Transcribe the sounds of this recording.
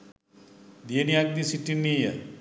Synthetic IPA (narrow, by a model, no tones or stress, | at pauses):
d̪ijeniak̚d̪isiʈːinːija̰